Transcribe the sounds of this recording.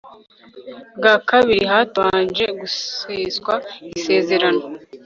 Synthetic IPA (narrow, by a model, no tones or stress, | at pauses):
bɡaːkaβiɾiɦaːtwaːnʒe̞ɡuiːzɡwaise̞ːze̞ɾano̞